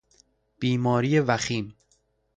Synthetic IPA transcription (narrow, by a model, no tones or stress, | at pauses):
b̥iːmɒːɾijevæxiːm